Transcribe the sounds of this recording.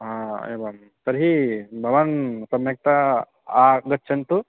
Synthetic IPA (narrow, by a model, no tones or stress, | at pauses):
ɦaḛbam | t̪ɐɾɦibʱɐʋɐnsɐmjɐk̚t̪a | aɡɐtːt͡ʃʰɐnt̪u